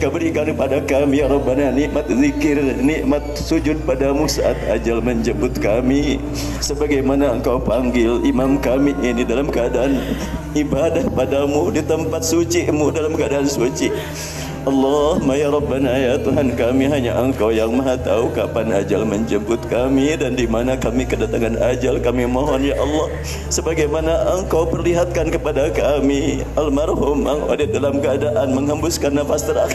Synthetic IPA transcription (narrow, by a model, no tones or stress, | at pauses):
kəbəɾikankəpadakamijaɾɔbːananiʔmat̪̚zikɪrniʔmat̪̚sud͡ʒʊd̪̚padamusa̰ʔat̪a̰d͡ʒalməɲd͡ʒəmbʊt̪̚kami | səbaɡajmanaəŋkawpaŋɡɪlimamkamiʔʔinidalamkəadaʔan | ibadahpadamudit̪əmpat̪̚sut͡ʃiʔmudalamkəadaansut͡ʃiʔ | ʔɑlːɔhmajaɾɔbːanajat̪uɦankamiɦaɲa̰ʔəŋkawjaŋmaɦat̪a̰ukapanad͡ʒa̰lməɲd͡ʒəmbʊt̪̚kamidandimanakamikədat̪aŋanʔad͡ʒalkamimoɦɔnjaʔɑlːɑh | səbaɡajmanaʔəŋkawpərliɦat̪̚kankəpadakami | almarhumaŋʔo̰dɛdalamkəadaʔanməŋɦambʊskanːafast̪əɾa